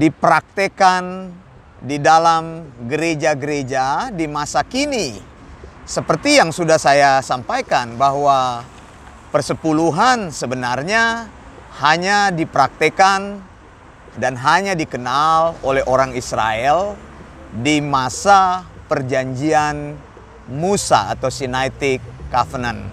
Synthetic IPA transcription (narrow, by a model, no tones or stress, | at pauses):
dipəɾak̚t̪ekan | didalamɡəɾed͡ʒaɡəɾed͡ʒadimasakini | səpərt̪ijaŋsudahsajasampajkanbaɦwa | pərsəpuluɦansəbənarɲa | haɲadipəɾak̚t̪əkan | danɦaɲadikənalolɛɦʔoɾaŋisɾa̰ɛl | dimasapərd͡ʒaɲd͡ʒian | musa̰ːt̪awsinajt̪ikːafənan